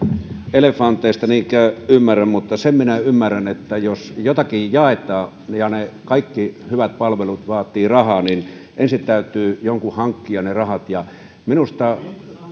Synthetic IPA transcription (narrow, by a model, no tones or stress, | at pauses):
elefˑɑnt̪ˑeˑːst̪ɑniːŋkæˑøymːærːæmmut̪ːɑsemminæymːærænet̪ːæjosjot̪ɑkijjɑˑet̪ˑɑː | jɑnekɑikːihyʋæt̪̚pɑlʋelut̪ʋɑːt̪ːˑiːrɑhɑːninʔensint̪æˑyt̪ˑyːjoŋkuhɑŋkːiɑnerɑhɑt̪jɑ | minust̪ɑ